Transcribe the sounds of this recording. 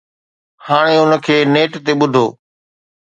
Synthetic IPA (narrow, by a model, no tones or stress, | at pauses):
haːɽ̃eʊnə̆kʰeːneːʈt̪eɓʊd̪ʱoː